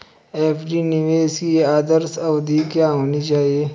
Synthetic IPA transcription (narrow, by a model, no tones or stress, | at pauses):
eːpʰɖiniʋeːskiaːd̪əɾsɐʋd̪ʱikjaːɦoːnit͡ʃaːɦieː